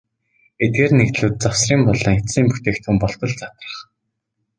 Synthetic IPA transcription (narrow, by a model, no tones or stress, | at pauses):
et̪̚ɡeːrnekt̪ɮuːt̪̚t͡sawsriːmpɔɮɞ̆ŋet͡siːmpu̥t̪eːkt̪ʰumpɔɮt̪ɞ̆ɮt͡sḁt̪rə̥̆χ